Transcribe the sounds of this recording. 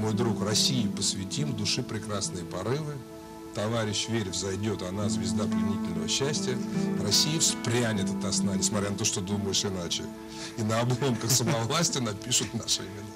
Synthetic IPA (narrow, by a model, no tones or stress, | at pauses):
mo̞jd̪ɾukrɐsʲijɪpəsʲvʲɪtʲimd̪ʊʂɨpɾʲɪkɾasnɨjəpɐɾɨvɨ | t̪ɐvaɾʲɪɕvʲeɾʲvzɐjdʲo̞t̪ɐnazʲvʲɪzd̪aplʲɪnʲitʲɪlʲnə̰və̰ɕːæsʲtʲɪjərɐsʲːijəfspɾʲænʲɪt̪ɐt̪ɐsnanʲɪsmɐt̪ɾʲanɐt̪o̞ʂt̪od̪uməjɪʂɪnat͡ɕɪ̰ | inəɐblˠo̞mkəxsəmɐvlˠasʲtʲɪnɐpʲiʂʊt̪naʂɨ̰ɪmʲɪna